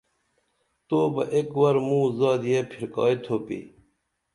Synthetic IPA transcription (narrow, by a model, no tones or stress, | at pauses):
t̪oːbɐ̰ʔekwɐɾmũːzɑːd̪jepʰiɾkɑ̰ːit̪ʰoːpḭː